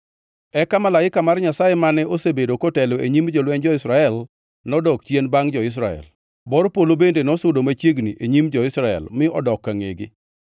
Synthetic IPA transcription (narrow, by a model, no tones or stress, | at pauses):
ɛkamalaɪkamarɲasajemanɛosebedokotɛloeɲimd͡ʒɔlwɛnd͡ʒɔɪsɾaɛl | nɔdɔkt͡ʃenbaŋd͡ʒɔɪs̬ɾaɛ̰l | bɔɾɔpolobendenɔsʊdomat͡ʃjeɡniʔeɲimd͡ʒɔɪsɾaɛ̰lmɪɔdɔkːaŋḛɡɪ̰